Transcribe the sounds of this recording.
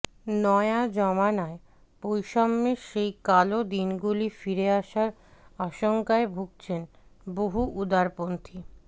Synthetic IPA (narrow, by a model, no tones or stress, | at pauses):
nɔead͡ʑɔmanae | pojʃɔmːeʃejkalod̪inɡulifiɾeaʃaɾ | aʃoŋkaebʱuk̚t͡ɕʰen | boɦuʔud̪aɾpont̪ʰi